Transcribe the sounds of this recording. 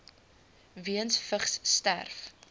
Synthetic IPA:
viənsfəχsːtæ̰rf

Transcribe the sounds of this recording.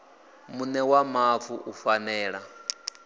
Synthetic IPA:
munɛwamavuʔufanɛːɺa

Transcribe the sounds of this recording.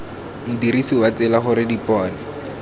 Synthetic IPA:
mʊdiɾisiwat͡sɪlaχʊɾɪdipɔːnɛ

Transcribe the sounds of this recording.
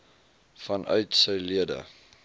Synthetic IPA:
fɐnʔœ̰ɥtsəjliədə̰

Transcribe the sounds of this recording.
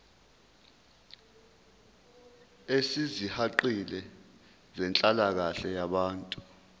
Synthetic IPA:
esizihaǃilɛ | zɛnt͡ɬʼalak̬aɬɛjaɓaːntʼu

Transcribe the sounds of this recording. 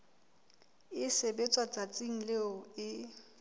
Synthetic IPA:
ɪsebet͡sʼwat͡sʼat͡sʼiŋ̩leʊɪ

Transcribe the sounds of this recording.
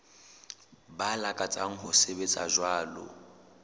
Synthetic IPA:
balakʼat͡sʼaŋ̩ɦʊsebet͡sʼa̰ʒwaːlʊ̰

